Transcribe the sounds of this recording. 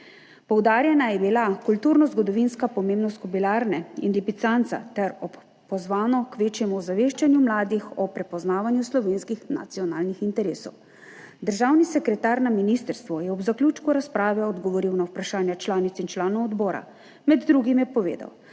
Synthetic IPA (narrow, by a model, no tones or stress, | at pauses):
pɔwd̪aːɾjɛnajɛbilakult̪uːɾnɔzɡɔd̪ɔʋinskapɔmeːmnɔst̪kɔbilaːɾnɛḭnlipit̪sant̪sa̰t̪ɛɾɔp | pɔzʋaːnɔkʋeːt͡ʃjɛmuɔzaʋeːʃt͡ʃanjumlaːd̪ixɔpɾɛpɔznaːʋanjuslɔʋeːnskixna̰t̪sijɔna̰ːlnixint̪ɛɾeːsɔ̰w | d̪əɾʒaːwnisɛkɾɛt̪aɾnaminist̪əɾst̪ʋɔjɛɔbzaklʲjut͡ʃkuɾaspɾaːʋɛɔd̪ɡɔʋɔɾiwnawpɾaʃaːnjat͡ʃlaːnit̪sint͡ʃlaːnɔwɔd̪bɔːɾa̰ | mɛd̪ːɾuɡimjɛpɔʋḛːd̪a̰w